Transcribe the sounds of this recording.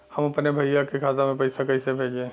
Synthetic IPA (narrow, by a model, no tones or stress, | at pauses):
həməpnebʱəjakekʰaːzamẽpəɪsakəɪsebʱeːd͡ʒẽ